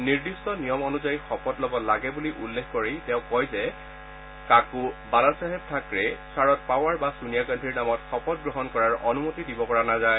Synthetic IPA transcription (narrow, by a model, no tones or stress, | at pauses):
niɹdistɔnijɔmɔnuzajixɔpɔtlɔbɔlaɡɛbuliʔulːexkɔɹejtɛʊ̃kɔjzɛ | kakubalasaɦɛp̚tʰakɹɛsaɹɔtpawaɹbasunijakandʱiɹnamɔtxɔpɔd̚ɡɹɔɦɔnkɔɹaɹɔnumotidibɔpɔɹanazaj